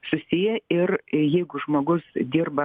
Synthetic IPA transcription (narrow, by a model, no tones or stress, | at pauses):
sʊsʲijɛɪrjɛɪɡʊʒmoːɡʊsd̪ʲirbɐ